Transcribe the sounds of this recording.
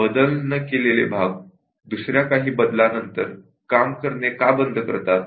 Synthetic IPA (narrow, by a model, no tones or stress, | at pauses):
bəd̪əlnəkelelḛbʱaɡ̚ | d̪usɾjakaɦiːbəd̪lanənt̪əɾ | kamkəɾnekabənd̪ʱəkə̰ɾt̪at̪̚